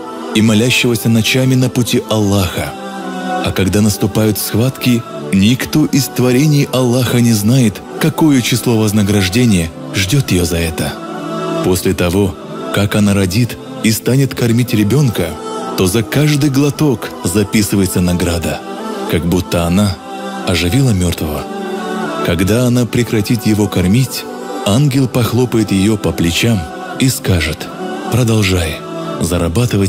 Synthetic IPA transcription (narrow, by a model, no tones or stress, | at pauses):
imɐlʲæɕːɪvəsʲənɐt͡ɕamʲɪnəpʊtʲiʔɐlˠːaxə | ɐkɐɡd̪anəst̪ʊpajʊt̪fsxvat̪kʲɪ | nʲɪkt̪o̞ʔɪst̪vɐɾʲenʲɪjʔɐlˠːaxənʲɪznajɪt̪ | kɐko̞jət͡ɕɪslˠo̞vəznəɡɾɐʐdʲenʲɪjə | ʐdʲot̪jɪjozɐɛt̪ə | po̞sʲlʲɪt̪ɐvo̞ | kakɐnaɾɐdʲit̪ | ist̪anʲɪt̪kɐrmʲitʲɾʲɪbʲo̞nkət̪o̞zɐkaʐd̪ɨjɡlˠɐt̪o̞kzɐpʲisɨvəjɪt̪sənɐɡɾad̪ə | kaɡ̚but̪ːəɐna | ɐʐɨvʲilˠəmʲo̞rt̪vəvə | kɐɡd̪aɐnapɾʲɪkɾɐtʲit̪jɪvo̞kɐrmʲitʲ | anɡʲɪlˠpɐxlˠo̞pəjɪt̪jɪjopəplʲɪt͡ɕam | iskaʐɨt̪ | pɾəd̪ɐlˠʐaj | zəɾɐbat̪ɨvət̚ʲ